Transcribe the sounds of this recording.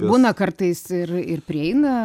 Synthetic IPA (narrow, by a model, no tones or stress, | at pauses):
buːnɐkɐrt̪ɐɪsɪrɪrpʲɾʲɪɛɪnɐ